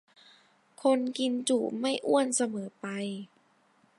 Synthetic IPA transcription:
kʰo˧nki˧nt͡ɕu˨˩ma˥˩jʔu˥˩ənsa˧mɤː˩˦pa˧j

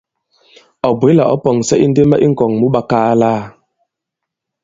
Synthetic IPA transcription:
ɔ˨bwe˨˦la˨ʔɔ̰˦pɔ˨ŋsɛ˦ʔi˦n̩˦de˦mə˦ʔi˦ŋ̩˨kɔ˨ŋmu˦ɓa˦kaː˦laː˦˨

